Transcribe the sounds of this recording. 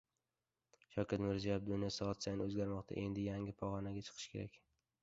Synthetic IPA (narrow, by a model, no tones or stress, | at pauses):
ʃɒwkʲat̪mɪɾzijab̚d̪ʊnijasɒɒt̪sajnɪɵzɡʲaɾmɒqt̪ʰa̰ʔe̞nd̪ɪjaŋʲɪpʰɒʁɒnaɡʲat͡ʃʰɨ̥qʰɨ̥ʃkʰʲe̞ɾakʲ